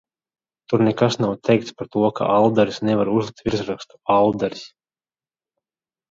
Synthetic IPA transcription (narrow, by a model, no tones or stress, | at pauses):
t̪uɾnɛkasnawt̪ʰɛjk̚t̪spaɾt̪uɔkʰa̰ʔalˠd̪aɾisnɛvaɾuzlˠik̚t̪vʲiɾzɾakst̪u̥alˠd̪aɾis